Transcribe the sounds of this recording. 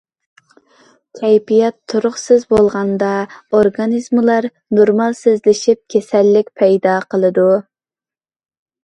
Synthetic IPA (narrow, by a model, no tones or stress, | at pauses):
k̪ʲʰɛjpijɛt̪ʰːuɾʊχsɪzbolˠʁɑnd̪ɑoɾɡɑnizmlˠɑɾ | noɾmɑlˠsɪzlɪʃip̚kʲʰesɛlːɪkʲpʰɛjd̪ɑqʰəlˠɨd̪u